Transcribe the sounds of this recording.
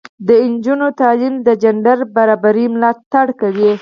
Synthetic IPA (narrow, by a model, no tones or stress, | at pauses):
d̪əɪnd͡ʒunot̪ɑlimd̪əd͡ʒaɳɖaɾbaɾɑbaɾimlɑt̪ːaɽkawi